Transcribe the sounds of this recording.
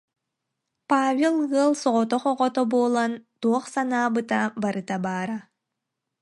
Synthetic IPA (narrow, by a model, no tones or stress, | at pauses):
paːvʲelˠɡɯəlˠsɔʁɔt̪ɔχɔʁɔt̪ɔbuːlˠant̪uɔχsanaːbɯt̪abaɾɯt̪abaːɾa